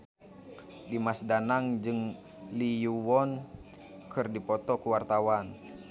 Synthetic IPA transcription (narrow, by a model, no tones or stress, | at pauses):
dimasdanaŋd͡ʒɨŋ | lijuwɔn | kɨrdipɔt̪ɔkuwart̪awan